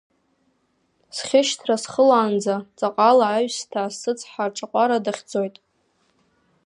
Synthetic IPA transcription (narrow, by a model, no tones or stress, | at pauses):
sχʲɪʃtʰrasχəlaːnd͡zat͡sʼaqʼalaːɥstʰaːssɨt͡sʰʼħarʈ͡ʂʼaqʷʼaɾadaχʲd͡zo̞jtʼ